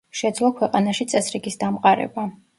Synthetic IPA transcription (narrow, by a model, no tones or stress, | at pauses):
ʃɛd̪zlˠɔkʰwɛqʼanaʃit̪sʼɛsɾiɡisd̪amqʼaɾɛ̰ba